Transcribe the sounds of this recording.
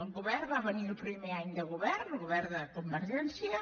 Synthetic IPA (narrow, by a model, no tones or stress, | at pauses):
ŋɡuβɛrβaβəniɾupɾimeaɲd̪əɣuβɛɾnuɣuβɛɾd̪əkumbəɾʒɛnsjə